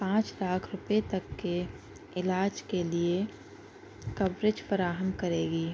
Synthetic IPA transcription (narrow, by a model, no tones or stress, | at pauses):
pãːt͡ʃlaːkʰɾʊpet̪ɐkːe | ɪlaːd͡ʒkelie | kɐbɾɪd͡ʒfəɾaːɦəmkəɾeːɡiː